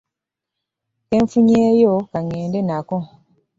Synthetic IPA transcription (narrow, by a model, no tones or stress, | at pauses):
kɛ̃ɱfũɲɛjokaŋɛ̃ːndenakɔ̃